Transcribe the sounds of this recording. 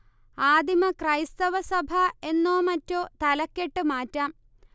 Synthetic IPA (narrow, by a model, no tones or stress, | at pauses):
aːd̪imɐkrɐjst̪ɐʋɐsɐbʱɐe̞nːoːmɐtːo̞ːt̪ɐlɐkʲːe̞ʈːɨmaːtːaːm